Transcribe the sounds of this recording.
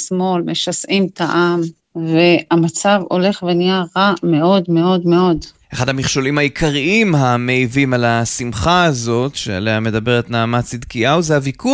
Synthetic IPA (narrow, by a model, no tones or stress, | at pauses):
smo̞lme̞ʃasʔimt̪aʔam | ve̞amat͡savo̞̰le̞χvenijaʁame̞o̞dme̞o̞dme̞o̞d | eχadhamiχʃo̞limhajikʰaʁiimɦameivimalasimχaːzo̞tʃḛa̰lehame̞d̪abe̞ʁet̪naːmat͡sid̪kiawzeavikʰu